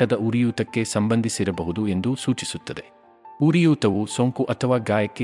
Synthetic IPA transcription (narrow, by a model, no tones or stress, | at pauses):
ɐd̪ɐuɾijuːt̪ɐkːe̞sɐmbɐnd̪ʱisiɾɐbɐɦud̪ue̞nd̪usuːt͡ʃisut̪ːɐd̪e̞ | uɾijuːt̪ɐʋusoːŋkuʔɐt̪ʰɐʋaːɡaːjɐkːe